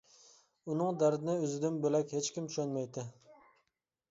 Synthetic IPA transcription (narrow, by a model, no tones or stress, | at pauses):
unɨŋd̪æɾd̪ɪnɪøzɪd̪ɪnbølɛkʲhet͡ʃkʲimt͡ʃʰʃønmɛjd̪ɪ